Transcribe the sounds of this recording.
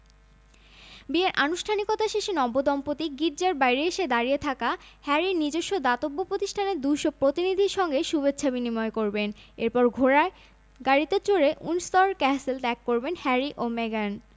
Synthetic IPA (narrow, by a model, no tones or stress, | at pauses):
bieɾʔanuʃʈʰanikot̪aʃeʃinɔbod̪ɔmpot̪iɡiʈ̚d͡ʑaɾbajɾieʃed̪aɾiet̪ʰakahɛɾiɾnid͡ʑoʃːod̪at̪obːopɾot̪iʃʈʰaneɾd̪ujʃopɾot̪inid̪ʱiɾʃɔŋɡeʃubet͡ɕːɕʰabinimɔekoɾbeneɾpɔɾɡʱoɾa | ɡaɽit̪et͡ɕoɾeʔunst̪ɔɾkɛselʈ̪ɛkːoɾbenhɛɾiʔomeɡan